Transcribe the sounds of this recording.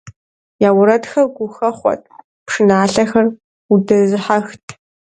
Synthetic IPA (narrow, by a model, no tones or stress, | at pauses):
jaːwʊɾɐtxɐrɡʷʊxɐχʷɔ̰tʼ | pʂɨnaːɬɐxɐr | udɐzɨħaxtʰ